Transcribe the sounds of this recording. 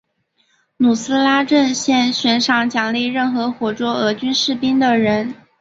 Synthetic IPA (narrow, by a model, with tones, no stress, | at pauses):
nu˨˩sɹ̩˥la˥ʈ͡ʂə˥˧nɕjɛ˥˧nɕɥɛ˧˥nʂɑ˧˥ŋt͡ɕjɑ˨˩ŋli˥˧ɪɻə˥˩nxɤ˧˥xwɔ˨˩ʈ͡ʂwɔ˥ɤ˧˥t͡ɕy˥nʂɻ̩˥˩pi˥nd̪ə˨ɻə˧˥n